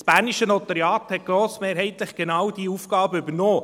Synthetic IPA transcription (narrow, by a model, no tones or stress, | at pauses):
sb̥æːɾniʃənɔt̪əɾjɑːthɛt̚ɡ̥ɾoːsmeːɾɦɛɪt̪lɪχɡ̥enɑwd̥iufɡ̥ɑːbəybənoː